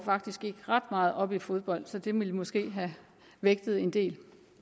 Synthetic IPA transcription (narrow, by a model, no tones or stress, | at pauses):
fɑ̈ɡ̥̚d̥isɡ̥e̝ɡ̥əʁɑ̈d̥mɑ̈ːð̩ˠɒ̽b̥ifo̝ð̞ˠb̥ɒ̽l̰d̥sɒ̽d̥e̝melmɒ̽sɡ̥e̝̰ːɦæ | ʋeɡ̥̚d̥ð̩ˠe̝nd̥e̝̰ːl